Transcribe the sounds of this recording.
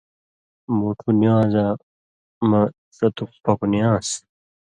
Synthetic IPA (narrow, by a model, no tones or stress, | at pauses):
muʈʰunjãːza | mɐ | sɐt̪uk̚pɐkunjãːs